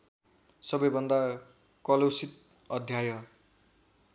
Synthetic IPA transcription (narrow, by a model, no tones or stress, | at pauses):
sʌbʌjbʌnd̪a | kʌlosit̪̚ | ʌd̪ʱjajʌ